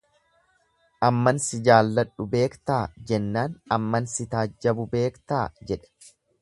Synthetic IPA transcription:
ʔɐmːɐnsɪd͡ʒaːlːɐᶑːʊbe̞ːkt̪aːd͡ʒɛnːaːnɐmːɐnsɪt̪aːd͡ʒːɐbʊbe̞ːkt̪aːd͡ʒɛᶑɛ̥

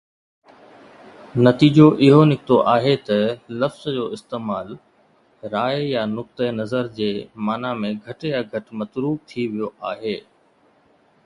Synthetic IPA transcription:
nɐt̪iːd͡ʑoʔɪɦonɪkɪt̪oʔaːɦet̪ɐlɐfz̥d͡ʑoːɪst̪eːmaːl | ɾaːjjanʊk̚t̪ənɐzəɾd͡ʑeːmaːnamẽɡʱɐʈjaɡʱɐʈmɐt̪ɾuːb̚t̪ʰiʋijoʔaːɦeː

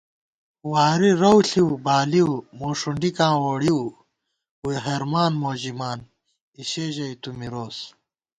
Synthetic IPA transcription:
waːɾiɾɐwɬiwbaːliwmoːʂuɳɖikãːwoːɽiw | uiɦeɾmaːnmoːʑimaːn | iɕeːʑɐit̪umiɾoːs

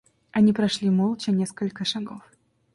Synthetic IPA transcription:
ɐnʲipɾɐʂlʲimolˠt͡ɕənʲeskəlʲkəʂɐɡof

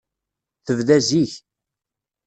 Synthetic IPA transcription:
θəvðæziç

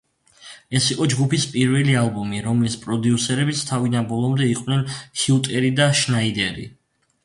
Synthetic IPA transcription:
ɛsiqʼɔd͡ʒɡupispʼiɾvɛlialˠbumiɾɔmlispʼɾɔd̪iusɛɾɛbit̪st̪ʰavid̪anbɔlˠɔmd̪ɛiqʼvnɛnhiut̪ʼɛɾid̪aʃnaid̪ɛɾḭ

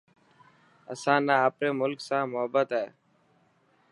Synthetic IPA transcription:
ə̰sãːnaːaːpɾeːmʊlksãːmʊɦəbət̪ɦɛː

